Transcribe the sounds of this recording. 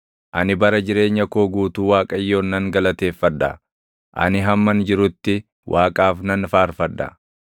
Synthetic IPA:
ʔɐnɪbɐɾɐd͡ʒɪɾe̞ːɲːɐkoːɡuːt̪uːwaːkʼɐjːo̞ːnːɐŋɡɐlɐt̪e̞ːfːɐd̪ːɐ̰ | ʔɐ̰nɪɦɐmːɐnd͡ʒɪɾʊt̪ːɪ | wʔaːkʼaːfnɐnfaːɾfɐd̪ːɐ̰

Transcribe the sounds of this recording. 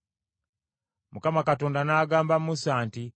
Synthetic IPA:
mukamakato̞ːndanaːɡaːmbammusaːnti

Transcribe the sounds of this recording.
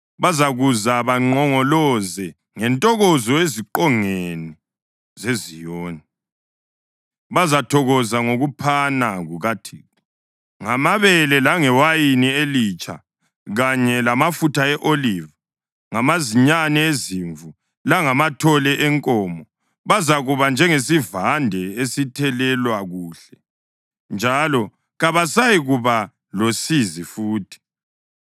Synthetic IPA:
βazaɣuzaβaŋ͡ǃɔŋɔlɔzɛ | ŋɛntʼɔɣɔzɔeziǃɔŋeeni | zezijoːni | βazatʰɔɣɔzaŋoɣupʰanaɣuɣatʰiːi | ŋamaβɛlɛlaŋɛwajinielit͡ʃʼʰa̰ | ɣaɲɛlamafutʰaɛʔoliːva | ŋamaziɲanɛeziɱvu | laŋamatʰɔlɛʔɛŋkʼɔːmɔ | βazaɣuβand͡ʒʱɛŋesivandʱɛesitʰɛlɛlwaɣuːɬɛ | nd͡ʒʱalɔ | ɣaβasajiɣuβa | losizifuːtʰi̥

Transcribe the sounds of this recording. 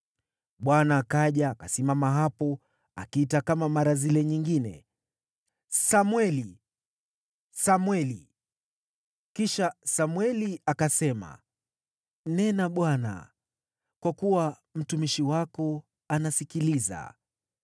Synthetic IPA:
ɓwanaːkaʄaːkasimamaɦapɔ | a̰kiitakamamaɾazilɛɲiŋɡinɛ̰ | samwɛli | samwɛli | kiʃasamwɛliakasɛma̰ | nɛnaɓwana̰ | kwakuwa | m̩tumiʃiwakɔ | anasikiliza̰

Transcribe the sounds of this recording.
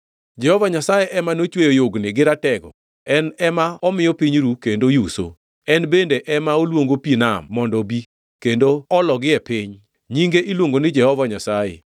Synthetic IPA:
d͡ʒɛhɔvaɲasajeʔɛmanot͡ʃwejojoɡnɪɡɪɾatɛɡɔ̰ | ɛnɛmaɔmɪjɔpiɲɾukendojuso̰ | ɛnbendeʔɛmaolwoŋɡopinamːɔndɔbi | kendoɔlɔɡɪɛpɪɲ | ɲiŋɡeʔilwoŋɡonɪd͡ʒɛhɔvaɲasajḛ

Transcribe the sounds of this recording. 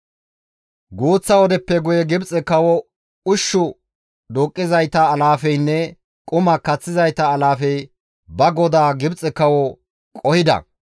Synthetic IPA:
ɡuːt͡sːɐɔd̪ɛpːɛɡʊjɛɡɪbt͡sʼɛkɐwɔ | ʊʃːʊ | d̪uːkʼːɪzɐjt̪ɐːlaːfɛjnːɛ | kʼʊmɐkɐt͡sːɪzɐjt̪ɐːlaːfɛj | bɐɡɔd̪aːɡɪbt͡sʼɛkɐwɔ | kʼɔhɪd̪ɐ̰

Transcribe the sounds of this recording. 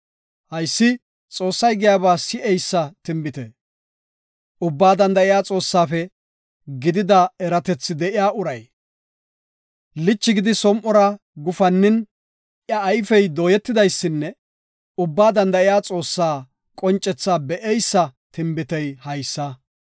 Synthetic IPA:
hɐjsːɪ | t͡sʼo̞ːsːɐjɡɪjaːβaːsɪʔɛjsːɐt̪ɪmbɪt̪ɛ̰ | ʊbːaːd̪ɐnd̪ɐɪjaːt͡sʼo̞ːsːaːfɛ | ɡɪd̪ɪd̪ɐɛɾɐt̪ɛt͡sːɪd̪ɛʔɪjaːʔʊɾɐj | lɪt͡ʃːɪɡɪd̪ɪsɔmʔɔɾɐ | ɡʊfɐnːɪn | ʔjɐːjfɛjd̪oːjɛt̪ːɪd̪ɐjsːɪnːɛ | ʊbːaːd̪ɐnd̪ɐɪjaːt͡sʼo̞ːsːaː | kʼɔnt͡ʃʼːɛt͡sːaːbɛʔɛjsːɐt̪ɪmbɪt̪ɛjhɐjsːɐ

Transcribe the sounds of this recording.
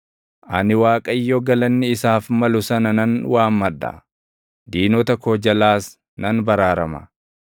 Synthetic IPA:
ʔɐnɪwaːkʼɐjːɔɡɐlɐnːɪɪsaːfmɐlʊsɐnɐnɐnwaːmːɐd̪ːɐ̰ | d̪iːnɔt̪ɐkod͡ʒɐlaːs | nɐnbɐɾaːɾɐmɐ̰

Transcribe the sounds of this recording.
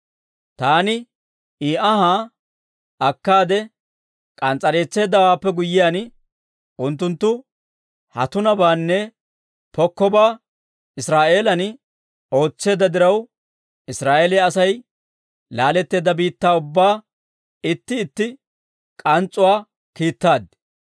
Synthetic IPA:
t̪aːnɪ | iːʔɐhaː | ɐkːaːd̪ɛ | kʼɐnt͡sʼːɐɾe̞ːt͡sːe̞ːd̪ːɐwaːpːɛɡʊjːɪjaːn | ʔʊnt̪ːʊnt̪ːʊ | hɐ̰t̪ʊnɐbaːnːɛ | pɔkːɔbaː | ɪsɾaːʔe̞ːlɐn | o̞ːt͡sːe̞ːd̪ːɐd̪ɪɾɐw | ɪsɾaːʔeːlɪɐsɐj | laːlɛt̪ːe̞ːd̪ɐbiːt̪ːaːʊbːaː | ɪt̪ːɪːt̪ːɪ | kʼɐnt͡sʼːʊwaː | kiːt̪ːaːd̪

